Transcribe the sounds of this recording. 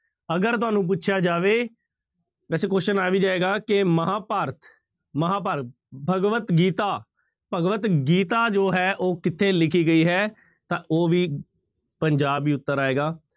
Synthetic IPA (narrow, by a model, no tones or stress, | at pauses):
əɡəɾt̪̬ʊaːnũːp̬ʊtːʃʰjaːd͡ʒaːʋeː | ʋɛːseːkoːʃənaːʋiːd͡ʒaːeːɡaːkɪməɦaːpaːɾt̪ʰ | məɦaːpaːɾ | bʱəɡʋət̪ɡiːt̪aː | pəɡʋət̪ɡiːt̪aːd͡ʒoːɦɛːʔoːkɪt̪ʰːeːlɪkʰiːɡəiːɦɛː | t̪ãːʔoːʋiː | pəɲd͡ʒaːbiːʊt̪ːəɾaːeːɡaː